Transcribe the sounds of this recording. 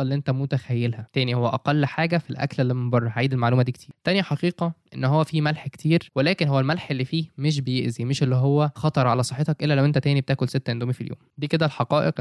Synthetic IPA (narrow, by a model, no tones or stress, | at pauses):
lːiʔent̪æmot̪æxæjːelhæt̪æːnihowːæʔæqælːħaːɡæfilʔæ̰klelːimembɑrˤːɑhæʕiːd̪elmaʕluːmæd̪iːkt̪iːɾt̪ːænjæħɑqiːqɑʔḛnːhowːæfiːmælħke̥t̪ʰiːɾwelæːkenɦowːælmælħʔelːifiːmeʃ̬bejeʔzimeʃʔelːiɦowːæxɑt̪ˤɑɾˤʕalæsˤɑħːet̪ɑkʔelːælæwʔent̪æt̪æːnibet̪æːkolset̪ːʔend̪uːmifiljo̰ːmd̪iːked̪ælħɑqɑːʔeq